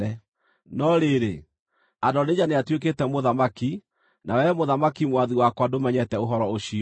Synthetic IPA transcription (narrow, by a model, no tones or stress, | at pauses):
ɛ | nɔɾeɾe | adɔned͡ʑaneatwek̬etɛmoðamaki | nʔawɛmoðamakimwaðiwakwadomɛɲɛtɛoɦɔɾɔoɕi